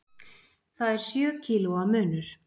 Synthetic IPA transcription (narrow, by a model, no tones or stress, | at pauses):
θaðɛɾ̥sjœːcʰiːluamʏːnʏɾ̥